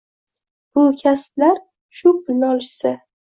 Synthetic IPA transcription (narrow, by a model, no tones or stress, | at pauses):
b̥ʊkʲʰasplaɾ | ʃʊpʰʊlnɒlsɪ